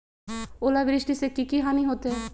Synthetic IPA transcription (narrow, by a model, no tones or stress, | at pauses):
oːlaʋɪɾɪʃʈisekikiɦaːniɦoːt̪e